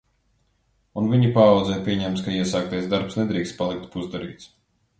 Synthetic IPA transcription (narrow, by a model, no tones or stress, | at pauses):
unviɲipaːwd̪zɛjpʲiɛɲɛmt̪skaiɛsaːkt̪ajzd̪aɾpsned̪ɾiːkst̪̚palˠik̚t̪puzd̪aɾḭːt̪s